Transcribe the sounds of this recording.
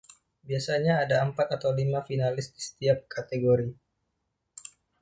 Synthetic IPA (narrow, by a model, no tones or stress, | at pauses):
biasaɲaːdaːmpat̪̚at̪awlimafinalɪsdisə̥t̪iap̚kat̪eɡoɾi